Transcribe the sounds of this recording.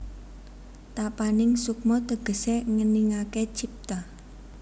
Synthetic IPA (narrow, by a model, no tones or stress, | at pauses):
t̪apanɪŋsuk̚mɔt̪əɡ̥ə̤seŋəniŋaket͡ʃip̚t̪a